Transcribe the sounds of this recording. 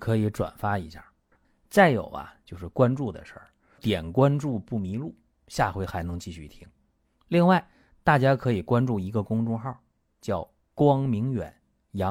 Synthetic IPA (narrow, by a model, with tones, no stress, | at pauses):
kʰɤ˧˥i˧˥ʈ͡ʂwa̰˨˩nfa˥i˧˥ɕja̰˥˩ | t͡sa˥˩ɪjo˨˩ʊɐ̰˦t͡ɕjo˥˧ʊʂɻ̩˥˩kwa˥nʈ͡ʂu˥˩d̪ə̰˩ʂə̰˞˥˩ | t̪jɛ˨˩nkwa˥nʈ͡ʂu˥˧pu˥˩mi˧˥lu˥˩ | ɕja˥˩xwe˧˥ɪxa˧˥ɪnɤ˧˥ŋt͡ɕi˥˧ɕy˥˩t̪ʰi˥ŋ | li˥˧ŋwa˥˩ɪ | t̪a˥˩t͡ɕja˥kʰɤ˧˥i˨˩kwa˥nʈ͡ʂu˥˩i˧˥ɡə˧kʊ˥ŋʈ͡ʂʊ˥ŋxɑ˥˩ʊ | t͡ɕjɑ˥˩ʊ | kwɑ˥ŋmi˧˥ŋɥɛ̰˨˩˦n | jɑ˧˥